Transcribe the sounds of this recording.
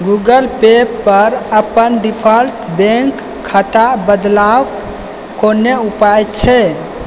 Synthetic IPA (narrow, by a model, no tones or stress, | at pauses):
ɡuɡəlpepːəɾəpənɖipʰəlʈbẽŋkʰː | ət̪abəd̪lawkː | oneupajt̪t͡ʃʰɛ